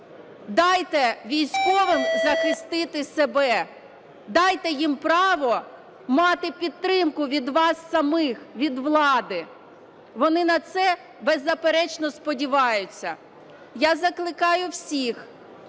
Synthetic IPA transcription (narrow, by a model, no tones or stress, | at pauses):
d̪ɑjt̪ɛʋʲijsʲkɔʋɪmzɐxɪst̪ɪt̪ɪsebɛ | d̪ɑjt̪ɛjimpɾɑʋɔ | mɑt̪ɪpʲid̪̚t̪ɾɪmkʊʋʲid̪ʋɑsːɐmɪxʋʲid̪ʋlˠɑd̪ɪ | ʋɔnɪnɐt̪sɛ | bɛzːɐpeɾɛt͡ʃnɔspɔdʲiʋɑjʊt͡sʲːɐ | jazɐklˠɪkɑjʊwsʲix